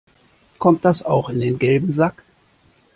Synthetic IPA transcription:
kʰɔmt̚d̥asa̰ʊxɪndeːnɡɛlbm̩zak

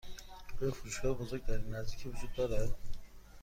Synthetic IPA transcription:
ofuɾuʃɡɑɾbozoɾɡ̚d̪æɾinːæzd̪icʰivud͡ʒud̪̚ːɒɾæd̪

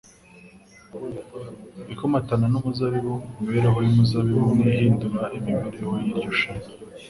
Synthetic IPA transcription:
ikomatananumuzaβiwomiβeɾeɦojumuzaβiwuniɦiːnduɾaʔimiβeɾehojiɾɟoʃana

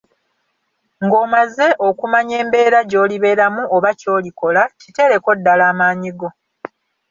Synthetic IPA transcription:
ŋɡo̞ːmaze̞ʔo̞kumaɲe̞ːmbe̞ːɾaɟo̞ːliβe̞ːɾamuoβaco̞ːliko̞lacite̞ɾe̞ko̞dːalaːmaːɲiɡo̞

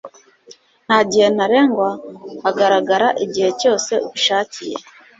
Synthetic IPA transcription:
naɟihenaɾeŋɡwaːɡaɾaɡaɾaʔeɟihe̞co̞ːse̞oβuʃaːcʰijḛ

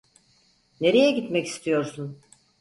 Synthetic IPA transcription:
ne̞ɾejɛɟit̪mɛci̥st̪ʰijo̞ɾsun

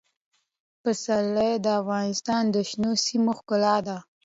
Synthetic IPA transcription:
pəsalːajd̪əafɣɑnɪst̪ɑnd̪əʃnosimoxkʊlɑd̪a

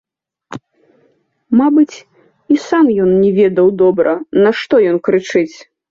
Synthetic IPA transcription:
mabɨt͡sʲ | isamjɔnnʲɛvʲɛd̪ɐwd̪ɔbɾɐnɐʂt̪ɔjɔnkɾɨt͡ʂɨt͡sʲ

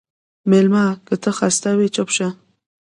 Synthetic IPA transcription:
melmakət̪əxast̪awet͡ʃopʃa

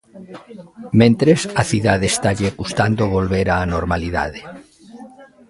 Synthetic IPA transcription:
mẽnt̪ɾesaθiðaðest̪aʎekust̪and̪oβ̞olβeɾaːnoɾmaliða̰ðe

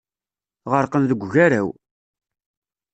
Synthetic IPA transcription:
ʁəɾqənðəɡʷʝæɾæw

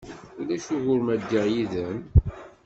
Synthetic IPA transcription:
ulæʃuɣʊɾmæd̪ːiʕjiðæn

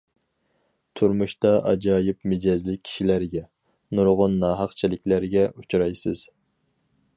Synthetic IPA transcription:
t̪ʰuɾmuʃt̪ɑʔɑ̰d͡ʒɑːjɪpmɪd͡ʒɛzlɪk̚ʲʰi̥ʃilæɾɡʲɛ | nuɾʁʊnːɑːɦɑqt͡ʃʰilɪkʲlæɾɪɡʲɛut͡ʃʰɾɑjsɨz̥

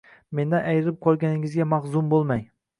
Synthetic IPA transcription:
me̞nd̪anʔajɾɪp̚qʰɒlˠɡʲanɪŋɪzɡʲamɑχzʊmbolˠmaj

